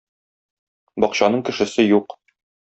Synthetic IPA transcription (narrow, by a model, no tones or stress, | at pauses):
bɒqɕɑnɤɴkɘ̆ʃɘ̆sɘjuq